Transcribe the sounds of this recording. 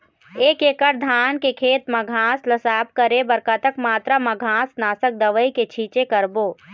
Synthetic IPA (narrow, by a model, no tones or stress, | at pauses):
eːkeːkəɾd̪ʱaːnkekʰeːt̪mɐɡʱãːslɐsaːp̚kəɾebɐɾkat̪əkmaːt̪ɾamɐɡʱãːsnaːsək̚d̪ɐʋəiket͡ʃʰiːt͡ʃekɐɾboː